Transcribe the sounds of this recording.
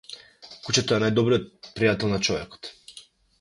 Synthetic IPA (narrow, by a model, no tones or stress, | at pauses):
kut͡ʃɛt̪ɔɛnajd̪ɔbɾijɔt̪̚pɾijat̪ɛlˠnat͡ʃɔvɛkɔ̥t̪